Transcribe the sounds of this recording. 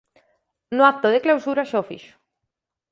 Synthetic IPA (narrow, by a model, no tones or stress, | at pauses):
noap̚t̪oð̞eklawsuɾaʃofḭʃo̥